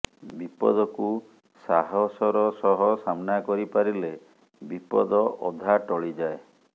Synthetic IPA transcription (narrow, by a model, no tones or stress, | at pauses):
bipɔ̰d̪ɔku | saɦɔsɔɾɔsɔɦɔsamnakɔɾipaɾile | bipɔ̰d̪ɔʔɔd̪ʱaʈɔɭid͡ʒae